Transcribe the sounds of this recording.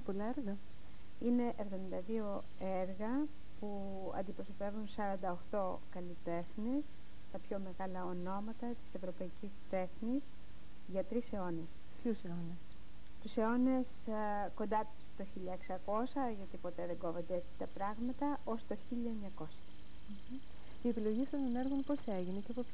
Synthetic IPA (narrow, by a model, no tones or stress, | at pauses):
polɐeɾɣɐ | ine̞ʔevðo̞mind̪ɐðio̞ | eɾɣɐ | pu | ɐ̰nd̪ipɾo̞so̞pe̞vunsɐɾɐnd̪ɐoxt̪o̞ | kɐlit̪e̞xnes | t̪ɐpço̞me̞ɣɐlɐo̞no̞mɐt̪ɐt̪i̥se̞vɾo̞pɐicist̪e̞xnis | ʝɐt̪ɾise̞o̞nes | pçuseones | t̪use̞o̞ne̞s | ko̞nd̪ɐt̪u̥st̪oçiʎɐeksɐko̞sɐʝɐt̪ipo̞t̪e̞ðe̞ŋɡo̞vo̞nd̪eet̪i̥t̪ɐpɾɐɣmɐt̪ɐʔo̞st̪o̞çiʎɐeɲɐko̞sɐ | m̩ | ie̞pilo̞ʝift̪ont̪oneɾɣunpo̞seʝinecepo